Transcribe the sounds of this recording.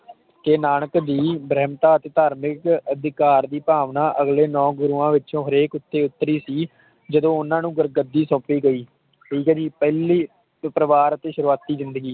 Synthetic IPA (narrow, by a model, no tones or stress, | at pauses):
k̪eːnaːɳ̃əkd̪iːbɾɛːmt̪aːət̪eːt̪aːɾmɪkəd̪ɪkaːɾd̪iːpaːʋnaːʔəɡleːnɔ̃ːɡʊɾuːãːʋɪt͡ʃõːɦəɾeːkʊt̪ːeːʊt̪ːəɾiːsiː | d͡ʒəd̪õːʊnãːnũːɡəɾɡəd̪ːiːsɔ̃ːpiːɡəiː | ʈʰiːkɛːd͡ʒiːpɛːliː | pɾəʋaːɾət̪eːʃəɾuːaːt̪ːiːzɪ̃nd̪əɡiː